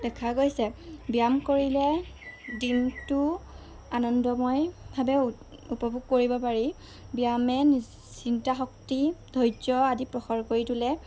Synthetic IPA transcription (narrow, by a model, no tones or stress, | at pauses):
dɛkʰaɡojsɛbijamkoɹilɛdintʊ | anɔndɔmɔjbʱabɛ | upɔbʱuɡ̚koɹibɔpaɹi | bijamɛn | sintaxɔktidʱɔjd͡ʒɔadipɹɔxɔɹkoɹitulɛ